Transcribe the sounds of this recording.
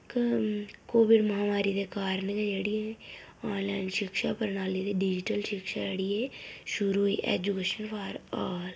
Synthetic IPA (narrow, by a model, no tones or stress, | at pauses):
k | koːʋɪɖməɦaːmaːɾid̪eːkaːɾnked͡ʒeɽieː | aːnlaːɪnʃɪkʃaːpəɾnaːlid̪eːɖɪd͡ʒɪʈəlʃɪkʃaːd͡ʒəɽieːʃʊɾuːɦḭːʔḛːd͡ʒukeːʃənpʰaɾaːl